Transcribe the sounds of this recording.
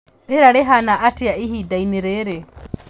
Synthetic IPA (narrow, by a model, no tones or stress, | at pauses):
ɾeɾaɾeɦanaʔatiaiɦidainiɾeɾe